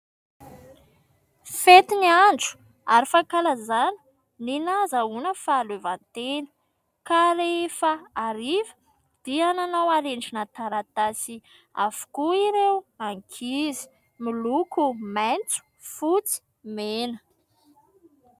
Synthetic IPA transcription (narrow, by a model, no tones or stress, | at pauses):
fet̪inianɖ͡ʐu̥ | aɾifakalazani̥ | ninazaunəfalevant̪enə̥ | kaɾeefaaɾivə̥ | d̪̥iananawaɾeɳɖ͡ʐinat̪aɾat̪asi | a̰vu̥kuiɾewaŋkʰizi̥ | milukumajnt͡su̥ | fut͡si̥ | menə